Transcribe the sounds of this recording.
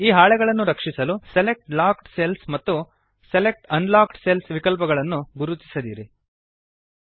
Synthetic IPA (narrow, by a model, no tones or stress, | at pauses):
iːɦaːɭɛɡɐɭɐnːuɾɐkʂisɐluselek̚ʈlaːkʈselsmɐt̪ːu | selek̚ʈɐnlaːkʈselsʋikɐlpɐɡɐɭɐnːuɡuɾut͡ʃi̥sɐd̪iːɾi